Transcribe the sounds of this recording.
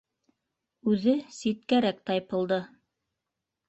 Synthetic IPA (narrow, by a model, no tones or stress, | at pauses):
ʉðɘsit̪̚kæɾæk̚t̪ɑjpɤ̆lˠd̪ɤ